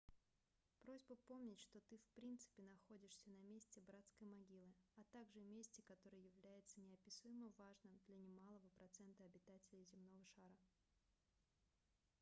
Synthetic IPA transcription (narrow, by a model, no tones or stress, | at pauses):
pɾo̞zʲbəpo̞mnʲɪtʲʂt̪o̞t̪ɨfpɾʲint̪sɨ̥pʲɪnɐxodʲɪʂsʲənɐmʲesʲtʲɪbɾat̪skəjmɐɡʲilˠɨɐt̪aɡʐɨmʲesʲtʲɪkɐt̪o̞ɾɨjjɪvlʲæjɪt̪sənʲɪɐpʲɪsujɪməvaʐnɨmd̪lʲɐnʲɪmalˠəvəpɾɐt̪sɛnt̪əɐbʲɪt̪atʲɪlʲɪjzʲɪmno̞vəʂaɾə